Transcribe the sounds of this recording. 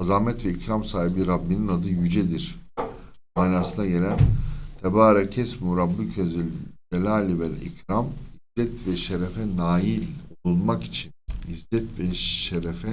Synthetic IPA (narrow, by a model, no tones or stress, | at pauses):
azaːmɛt̪vɛicɾamsaːɦibiɾabːininad̪ɯjyd͡ʒed̪iɾ̥ | maːnaːsɯnaɟe̞lʲænt̪ʰebaːɾacʰɛsmuɾabucʰezilʲdelʲaːlʲibɛnḭcɾamizːɛt̪ʰvɛʃeɾefɛnaːjilʲolˠunmaki̥t͡ʃʰinizːɛt̪vɛʃeɾefɛ